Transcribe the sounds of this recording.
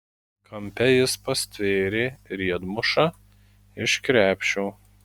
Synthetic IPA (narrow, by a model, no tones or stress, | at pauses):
kʰɐmʲpʲɛjɪspɐsʲt̪ʲʋʲeːɾʲeːɾʲiɛd̪mʊʃɑ | ɪʃkɾʲæːpʲʃʲuː